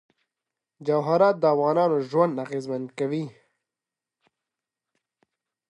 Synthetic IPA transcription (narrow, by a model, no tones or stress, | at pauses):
d͡ʒawɦaɾɑːt̪̚d̪əafɣɑːnɑːnoʒwand̪aɣezmand̪kawi